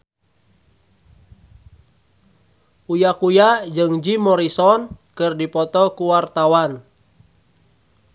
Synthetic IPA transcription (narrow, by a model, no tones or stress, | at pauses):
ujakujad͡ʒɨŋd͡ʒimɔɾisɔnkɨrdipɔt̪ɔkuwart̪awan